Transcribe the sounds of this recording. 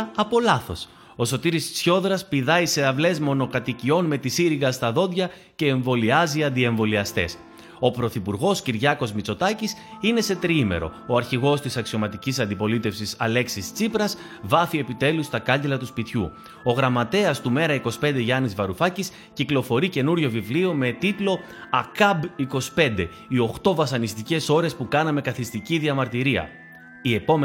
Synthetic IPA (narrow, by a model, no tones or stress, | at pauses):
ɐpo̞lɐθo̞s | o̞so̞t̪iɾissço̞ðɾɐspiðɐise̞ɐvle̞zmo̞no̞kɐt̪icio̞nme̞t̪isiɾiɣɐst̪ɐðo̞nd̪ʝɐ | ce̞ːɱvo̞liɐziɐnd̪ie̞ɱvo̞liɐst̪e̞̰s | o̞pɾo̞θipuɾɣo̞sciɾʝɐko̞zmit͡so̞t̪ɐcisine̞se̞t̪ɾiime̞̰ɾo̞̰oɐɾçiɣo̞st̪isɐksio̞mɐt̪icisɐnd̪ipo̞lit̪e̞fsisɐle̞ksist͡sipɾɐs | vɐfie̞pit̪e̞lust̪ɐkɐɲɟelɐt̪uspit̪çṵ | o̞ɣɾɐmɐt̪e̞ɐst̪ume̞ɾɐiko̞si̥pe̞nd̪e̞ʝɐnizvɐɾufɐcis | ciklo̞fo̞ɾice̞nuɾʝo̞vivliome̞t̪it̪lo̞ | ɐkɐbiko̞si̥pe̞nd̪e̞ | io̞xt̪o̞vɐsɐnist̪ice̞so̞ɾe̞spukɐnɐme̞kɐθist̪iciðiɐmɐɾt̪iɾiɐ̰ | ie̞po̞m